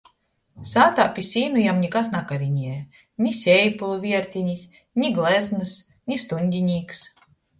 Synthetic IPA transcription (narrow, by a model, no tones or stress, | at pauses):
saːt̪aːpʲisʲiːnujamɲʲikasnakaɾiɲiɛ | ɲʲisʲɛjpulˠuvʲiɛɾt̪ʲiɲis | ɲʲiɡlˠɛznɨs | ɲʲist̪uɲʲd̪ʲiɲʲiːks